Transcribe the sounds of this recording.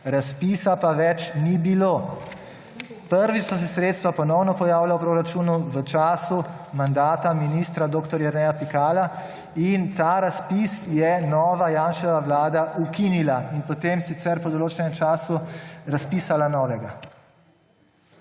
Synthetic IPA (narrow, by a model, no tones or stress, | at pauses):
ɾaspiːsapaʋɛt͡ʃnibiloː | pəɾʋit͡ʃsɔs̬ɛsɾeːt̪st̪ʋapɔnɔwnɔpɔjaːwlawpɾoːɾat͡ʃuːnuʋət͡ʃaːsu | mand̪aːt̪aminist̪ɾad̪oːkt̪ɔɾjɛɾnɛjapikaːla | int̪aːɾaspisjɛnɔːʋajaːnʃɛʋaʋlaːd̪aʔukinilainpɔt̪emsit̪sɛɾpɔd̪oloːt͡ʃɛnɛmt͡ʃaːsuɾaspiːsalanɔːʋɛɡa